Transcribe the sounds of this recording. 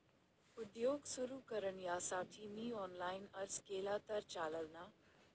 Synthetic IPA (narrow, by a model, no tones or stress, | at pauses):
ʊd̪joːɡsʊɾukəɾəɳjaːsaːʈʰimiːɔːnlaːɪnɐɾskeːlaːt̪ɐɾt͡ʃaːləlnaː